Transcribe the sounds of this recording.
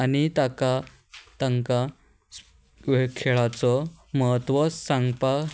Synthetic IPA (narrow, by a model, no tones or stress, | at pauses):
anit̪aka | t̪aŋka | ʋkʰeɭat͡sɔməɦət̪ʋɔsãŋɡpa